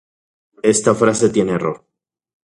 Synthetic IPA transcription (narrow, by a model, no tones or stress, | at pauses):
e̞st̪afɾase̞t̪je̞neero̞ɾ